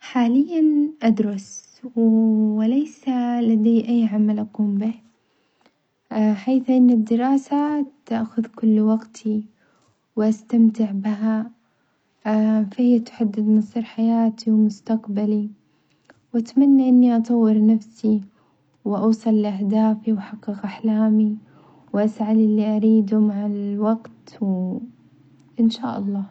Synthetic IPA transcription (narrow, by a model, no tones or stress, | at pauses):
ħaːlɪjːanʔad̪ɾˤɑs | wɪlaːsalad̪ejʔajːʕamalʔaquːmbɪh | ħaːθʔɪnːɪd̪ːɪɾɑːsat̪aʔxʊðkʊlːwaɡt̪ʰi | wʔast̪amt̪ɪʕbɪɦa | fahɪjːat̪ħad̪ːɪd̪mnsˤiːɾħajaːt̪ʰiwmʊst̪aqbali | wʔat̪manːaʔɪnːiʔɑt̪ˤɑwːɪɾnafsi | wɪʔɑːsˤɑlːʔahd̪aːfiwħɑqːɨɣʔaħlaːmi | wʔasʕalɪlːiʔaɾiːd̪ʊmaʕalwɑɡt̪w | ʔɪnʃa̰ːʔɑlˤːɑː